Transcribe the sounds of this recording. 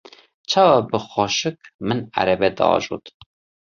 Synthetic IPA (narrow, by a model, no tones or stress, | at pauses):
t͡ʃʰɑːwɑbəxɑːʃɨk̚mɨnæ̰ɾɛbɛd̪ɨ̰ɑ̰ːʒṵt̪